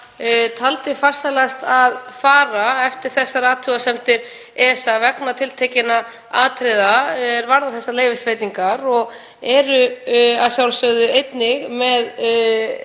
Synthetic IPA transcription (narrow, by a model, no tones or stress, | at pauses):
t̪ʰalt̪ɪfar̥salast̪aðfaːɾaɛft̪ɪɾ̥θɛsːaɾaːt̪ʰʏɣasɛmt̪ɪɾ̥ | ɛsavɛknat̪ʰɪlt̪ʰeːcɪna | aːt̪ʰɾɪðaɛɾvaɾðaθɛsːaleːjvɪsvejt̪iŋkaɾɔɣ | ɛɾʏasjawlsœðʏejt̪nɪɣmɛð